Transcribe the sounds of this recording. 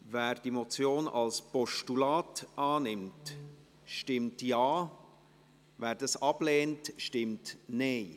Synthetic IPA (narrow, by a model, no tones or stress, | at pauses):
væːɾd̥imot͡sjoːnɑ̰lspɔʃtulaːtʔɑːnɪmt | ʃtɪmtjɑː | væːɾdɑsɑb̥leːntʃtɪmtneɪ